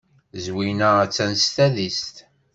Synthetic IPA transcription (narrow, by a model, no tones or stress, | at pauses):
zwinəæt͡sːænst̪æðist̪